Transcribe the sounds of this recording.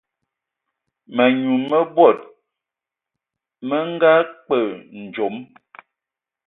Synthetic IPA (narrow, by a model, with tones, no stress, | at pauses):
mə˨ɲu˨mə˦bwɔ˦˨t̚ | mə˦ŋ˦ɡa˦k͡pə˦˨n̩˨d͡ʒo˨˦m